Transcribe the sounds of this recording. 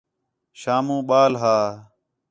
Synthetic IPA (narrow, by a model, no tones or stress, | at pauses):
ʃaːmũːɓaːlɦaː